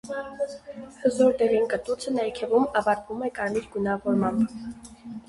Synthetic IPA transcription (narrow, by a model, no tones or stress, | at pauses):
həzɔɾd̪ɛɾinkət̪ut͡sʰənɛɾkʰɛvumɑvɑɾvumɛkɑɾmiɾɡunɑvɔɾmɑmb